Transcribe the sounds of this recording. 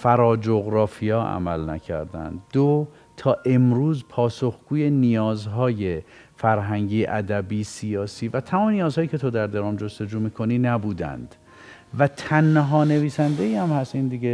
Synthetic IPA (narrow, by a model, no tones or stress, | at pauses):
fæɾɒːd͡ʒoɣɾɒːfijɒːʔæ̰mælnæcʰæ̰ɾd̪æ̰nd̪d̪o | t̪ʰɒːʔe̞mɾuːzpʰɒːsoxɡ̥uːje̞nijɒːzɦɒːje̞ | fæɾɦæŋɟiːʔæd̪æbiːsijɒːsiːvæt̪ʰæmɒːmenijɒːzhɒːjicʰe̞t̪ʰod̪æɾd̪eɾɒːmd͡ʒost̪e̞d͡ʒuːmiːkʰoniːnæbuːd̪æ̰nd̪̥ | væt̪ʰænɦɒːne̞viːsænd̪e̞iːæmhæst̪iːnd̪iɡe